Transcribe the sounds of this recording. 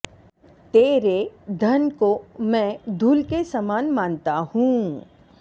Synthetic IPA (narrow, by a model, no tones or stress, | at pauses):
t̪eːɾed̪ʱənkomɛ̃d̪ʱuːlkesamaːnmãːnt̪ahũː